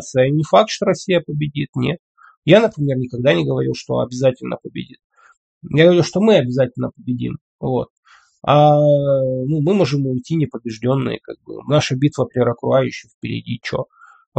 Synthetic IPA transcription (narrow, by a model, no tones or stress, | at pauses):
t̪sɨjənʲɪfak̚t̪ʂt̪o̞ɾɐsʲːijəpəbʲɪdʲit̪nʲḛt̪̚ | janəpɾʲɪmʲe̞rnʲɪkɐɡ̚d̪anʲɪɡəvɐɾʲḭlˠʂt̪o̞̰ɐ̰bʲɪzatʲɪlʲnʔə̰pəbʲɪ̰dʲḭt̪̚ | jaɡəvɐɾilˠʂt̪o̞mɨɐbʲɪzatʲɪlʲnəpəbʲɪdʲḭm | vo̞̰t̪̚ | a | numɨmo̞ʐɨmʊjtʲinʲɪpəbʲɪʐdʲo̞nːɨ̰jə̰ka̰ɡ̚bɨ̰naʂəbʲit̪vəpʲɾʲɾəkɾʊajʉɕːɪjfpʲɪɾʲɪ̰dʲḭt͡ɕo̞̰